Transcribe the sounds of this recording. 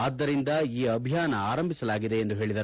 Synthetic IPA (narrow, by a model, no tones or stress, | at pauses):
aːd̪ːɐɾind̪ɐiːɐbʱijaːnɐaːɾɐmbʱisɐlaːɡid̪e̞ːnd̪uɦe̞ːɭid̪ɐ